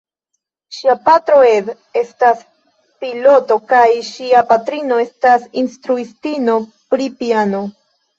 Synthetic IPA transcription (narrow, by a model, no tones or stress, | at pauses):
ʃiapatɾo̞ed | e̞stas | pilo̞to̞kajʃiapatɾino̞e̞stasinstɾuistino̞ | pɾipiano